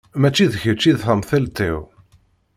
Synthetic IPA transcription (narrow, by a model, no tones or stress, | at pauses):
mæt͡ʃːiðəçət͡ʃːiðθəmθælt̪ḭw